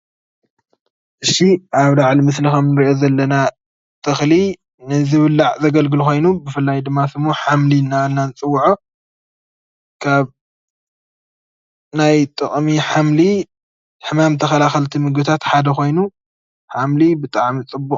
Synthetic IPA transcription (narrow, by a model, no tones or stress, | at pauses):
ʔɨʃiʔaβlaʕlimɨslixɐmnɨɾiʔo̞zɐlːɐna | t̪ʰʼɨxli | nɨzɨβɨlːaʕzɐɡɐlɡɨlxo̞jnubɨfɨlːajd̪ɨmːasɨmːoħamlinːanːanɨt͡sʼɨwːuʕo | kʰaβ | najt̪ʼɨχʼmiħamli | ħɨmamt̪ʰɐxɐlaxɐlt̪ʰimɨɡɨt̪ʰat̪ħad̪ɐxo̞jnu | ħamlibɨt̪ʼaʕmit͡sʼɨbːukʼ